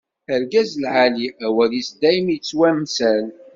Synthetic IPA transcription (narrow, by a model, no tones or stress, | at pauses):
əɾɡæzlʕaliæwælisd̪æjmjt͡sːwæmsæl